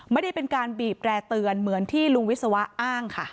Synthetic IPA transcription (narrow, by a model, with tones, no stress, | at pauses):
ma˥˩jda˥˩jpe˧nkaː˧nbiː˨˩p̚ɾɛː˧t̪ɯ˧ənmɯ˩˦ənt̪ʰiː˥˩lu˧ŋwi˦˥sa˧wa˦˥ʔaː˥˩ŋkʰa˥˩